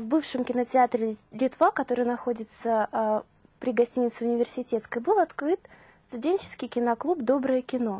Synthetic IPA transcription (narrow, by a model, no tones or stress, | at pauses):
vbɨfʂɨmkʲɪnətʲɪat̪ɾʲɪlʲɪt̪vakɐt̪o̞ɾɨjnɐxo̞dʲɪt̪sə | pɾʲɪɡɐsʲtʲinʲɪt̪sɨʊnʲɪvʲɪrsʲɪtʲet̪skəjbɨlˠɐt̪kɾɨt̪ | st̪ʊdʲenʲt͡ɕɪ̥skʲɪjkʲɪnɐklˠupd̪o̞bɾɨjəkʲɪno̞